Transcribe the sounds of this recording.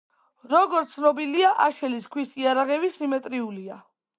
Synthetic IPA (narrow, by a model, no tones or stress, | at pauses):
ɾɔɡɔɾt̪sʰnɔbiliaʔaʃɛliskʰwisiaɾaʁɛbisimɛt̪ʼɾiulia